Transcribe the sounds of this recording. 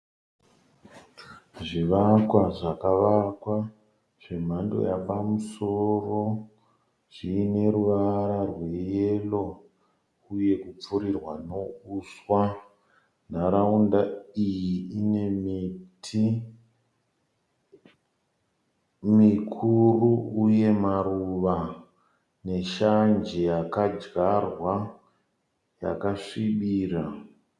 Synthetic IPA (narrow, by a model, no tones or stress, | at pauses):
ʐiʋakwaʐakaʋakwa | ʐ̥em̤ando̞̰japamuso̞ro̞ | ʐ̥iːne̞ɾuʋaɾarwe̞jelo̞ | uje̞kup͡fuɾirwano̞uːswa | n̤aɾaundaijiine̞mitʰi | mikʰuruuje̞maruʋa | ne̞ʃand͡ʒe̞jakad͡ʒɡarwa | ja̰kaʂiɓiːra